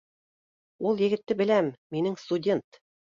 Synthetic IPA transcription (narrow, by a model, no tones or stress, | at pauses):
ulˠjɘ̆ɡɘ̆t̪ːɘbɘ̆læmːinɘŋst̪udʲe̞nt̪